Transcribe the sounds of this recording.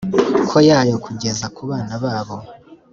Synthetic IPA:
kʰo̞jaːjo̞kuɟe̞zakuβaːnaβaːβo̞

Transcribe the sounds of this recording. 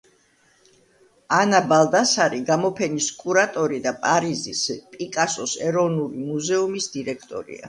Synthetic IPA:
anabalˠd̪asaɾiɡamɔpʰɛniskʼuɾat̪ʼɔɾid̪apʼaɾizispʼikʼasɔsɛɾɔvnulimuzɛumisd̪̥iɾɛkʰt̪ʼɔ̰ɾḭa̰

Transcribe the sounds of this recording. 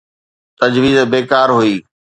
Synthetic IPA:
t̪ɐd͡ʑʋiːzbeːkaːɾɦuiː

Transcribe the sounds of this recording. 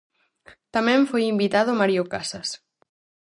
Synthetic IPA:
t̪amẽɱfojimbit̪aðomaɾiokasas

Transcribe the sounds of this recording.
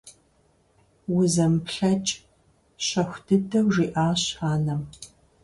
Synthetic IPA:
wʊzɐmpɬɐt͡ʃʼ | ɕɐxʷdʰɨdʰɐwʒiːʔaːɕaːnɐm

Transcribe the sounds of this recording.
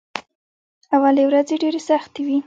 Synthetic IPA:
awalewɾazeɖeɾesaxt̪ewi

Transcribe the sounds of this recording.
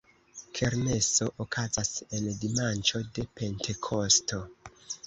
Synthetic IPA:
kʰe̞ɾne̞so̞ʔokazase̞ndimant͡ʃo̞de̞pe̞ntʰe̞kʰo̞sto̞

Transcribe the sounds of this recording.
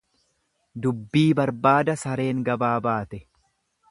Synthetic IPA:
d̪ʊbːiːbɐɾbaːd̪ɐsɐɾe̞ːŋɡɐbaːbaːt̪ɛ

